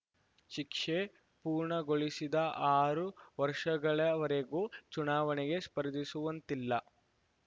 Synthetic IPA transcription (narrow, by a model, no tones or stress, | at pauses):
ʃikʂe | puːɾɳɐɡoɭisid̪ɐʔaːɾuʋɐɾʂɐɡɐɭɐʋɐɾeɡuːt͡ʃunaːʋɐnɛɡe̞spɐɾd̪isuʋɐnt̪ilːɐ